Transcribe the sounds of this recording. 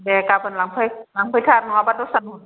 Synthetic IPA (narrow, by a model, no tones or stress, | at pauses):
dɛːkaːpʰɯnlaŋpʰɯjlaŋpʰɯjt̪ʰaːt̚nɔabadosanu